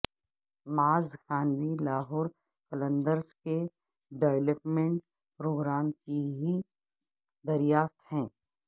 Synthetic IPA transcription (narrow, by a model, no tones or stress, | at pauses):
maːzxaːnʋilaːɦʊːɾ | kɐlə̃nd̪əɾske | ɖeːʋləpmẽɳʈ | pɾʊɡɾaːmkiɦi | d̪ɐɾɪjaːft̪hɛ̃ː